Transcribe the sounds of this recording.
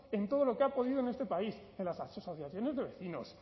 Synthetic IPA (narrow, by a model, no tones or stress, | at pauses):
e̞nt̪o̞ð̞o̞lo̞keapo̞ðiðonest̪e̞paisenlasasosoθjaθjo̞ne̞zðe̞βe̞θino̞̰s